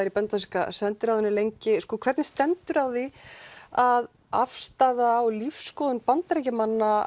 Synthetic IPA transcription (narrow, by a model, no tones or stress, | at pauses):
ɪɾipɛnt̪aska̰sɛnt̪ʏɾawðʏnːɪlejɲcɪskɔːkʰvɛɾt̪nɪst̪ɛnt̪ʏɾawði | að | a̰fst̪aðawlifskɔːðʏnpant̪aɾɛjcamanːa